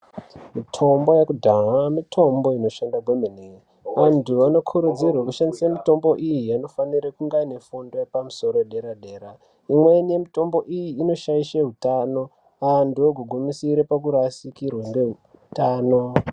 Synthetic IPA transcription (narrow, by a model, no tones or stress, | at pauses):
mitʰo̞mbo̞jakudʱaɦamitʰo̞mbo̞ino̞ʃandaɡwemene | ʋantʰuʋano̞kʰuɾud͡zirwakuʃandisamito̞mbo̞ʔijiano̞faniɾekuŋɡaine̞fundo̞jepamuso̞ɾoeɗe̞ɾaɗe̞ːɾa | imwe̞niemito̞mbo̞ʔijiːno̞ʃaiʃeɦutano̞ | antuoɡʱuɡʱumisiɾepak̬uɾasikirweŋɡe̞u | taːno̞